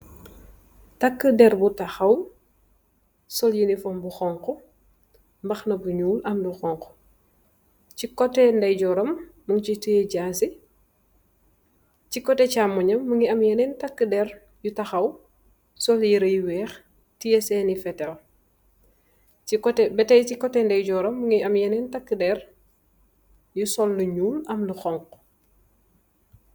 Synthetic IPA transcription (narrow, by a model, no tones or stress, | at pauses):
tɐkːədɛɾbutɐxɐw | sɔljinifɔmbuxɔŋkɔ | mbɐxnɐbuɲuːlʔɐmduxɔŋkɔ̥ | cikɔtːɛndɐjɟɔɾɐmː | uŋt͡ʃitujeɟaːsi | cikɔtɛcamːuɲɐmːuŋiɐmjɛnɛntɐkːədɛɾ | jutɐxɐw | sɔljiɾɐjwɛːx | tijɛsɛːnifɛtɛl | ikɔtɛbɛtɛjcikɔtːɛndɐjɟɔɾɐmːuŋiɐmjɛnɛntɐkːədɛɾ | jusɔlːuɲuːlɐmluxɔŋk̚